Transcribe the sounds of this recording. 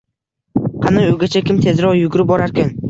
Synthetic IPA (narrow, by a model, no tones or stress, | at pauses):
qʰɑnaoɡʲat͡ʃʰakʲɪmt̪ʰe̞zɾɒʁjʊɡʊɾɪp̚bɒɾaɾkʲan